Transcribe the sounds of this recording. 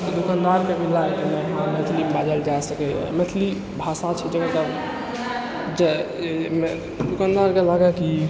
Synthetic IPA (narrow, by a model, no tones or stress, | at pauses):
t̪ɔd̪ukand̪aɾkebilak̪meɦãmet̪ʰlibad͡ʒald͡ʒaesəkɛmet̪ʰli | bʱasat͡ʃʰɛd͡ʒeɡaka | d͡ʒe | d̪ukand̪aɾkelaɡɛki